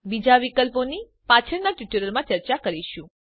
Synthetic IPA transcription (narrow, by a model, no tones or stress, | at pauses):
bid͡ʒaʋikəlponi | pat͡ʃʰəɾnaʈjuʈəɾəlmãt͡ʃəɾt͡ʃakəɾiʃũ